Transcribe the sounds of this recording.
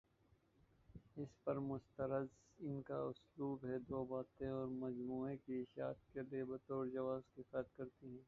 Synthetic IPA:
ɪspɐɾmʊst̪əɾəz | ɪnka̰ʊsluːbɦɛd̪oːbaːt̪ẽɔːɾmɐd͡ʒmuːẽkiɪʃaːt̪̚keliebɐt̪ɔːɾd͡ʒɐʋaːzkifɛt̪kɐɾt̪iɦɛ̃ː

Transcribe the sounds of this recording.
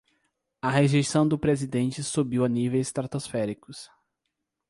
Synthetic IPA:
ɐɦeʒejsɐ̃w̃d̪ʊpɾezid̪ẽnt͡ʃɪsubiwɐnivejst̪ɾat̪osfɛɾikʊs

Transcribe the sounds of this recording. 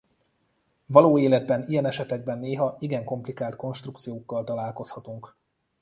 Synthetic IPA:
vɒloːeːlɛd̪̚bɛnijɛnɛʃɛt̪ɛɡ̚bɛnːeːɦɒiɡɛŋko̞mplikaːlt̪ko̞nʃt̪rukt̪sijoːkːɒlt̪ɒlaːlko̞shɒt̪uŋk

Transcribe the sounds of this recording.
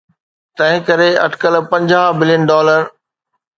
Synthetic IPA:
t̪ɐ̃ɦɪ̃kɐɾeɐ̰ʈkəlpɐ̃ɲd͡ʑaːbɪlijənɖɔːləɾ

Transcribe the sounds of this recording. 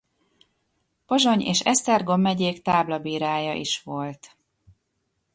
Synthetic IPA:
poʒo̞ɲḛːʃɛst̪ɛrɡo̞mːɛɟeːkt̪aːblɒbiːɾaːjɒʔḭʃʋo̞lt̪

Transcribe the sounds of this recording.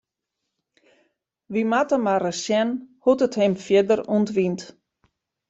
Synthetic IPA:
ʋimatəmaɾəsjɛnhutəthɪmfjɪdəruntʋint

